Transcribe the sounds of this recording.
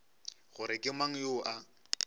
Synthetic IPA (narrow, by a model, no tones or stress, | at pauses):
ɣʊɾɪkʼɪmaŋ̩joːʔa